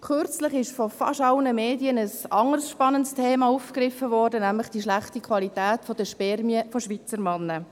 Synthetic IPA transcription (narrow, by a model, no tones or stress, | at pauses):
køɾt͡sləχɪʃfɔfɑ̰ʃɑlnəmeːdiənəsɑŋərsʃpɑnəntstʰeːmɑuːfkrɪfəvɔːrdənæmləχd̥iʃlæχtikʰʋɑlitæːtfɔd̥əʃpɛrmiəfɔʃʋit͡səɾmɑnːə